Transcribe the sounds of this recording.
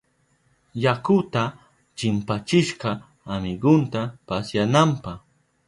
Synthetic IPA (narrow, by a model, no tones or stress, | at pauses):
jakʊt̪a | t͡ʃɪmpat͡ʃɪʃɢɑː | mɪɡʊnt̪apasjanampɑχ